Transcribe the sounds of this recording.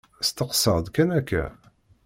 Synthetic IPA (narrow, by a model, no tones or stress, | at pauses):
st̪əqsəʁd̪kænækːæ̰